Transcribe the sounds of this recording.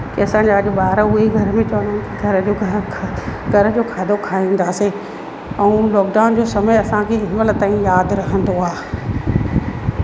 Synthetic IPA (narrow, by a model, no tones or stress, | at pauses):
kiɐsãːɲ̆d͡ʑaɐʄʊ̆ɓaːɾʊɦeɡʱɐɾəmẽt͡ɕɐʋənənɪkiɡʱɐɾəd͡ʑoɡʱʰ | ɡʱɐɾəd͡ʑoːkʰaːd̪ʱokʰaːĩːn̆d̪aːse | ɛ̃ũlɔːk̚ɖaːʊnd͡ʑoːsɐməjɐsãkʰeɦɪməlt̪ãːĩjaːd̪ɾɐɦə̃n̆d̪oaː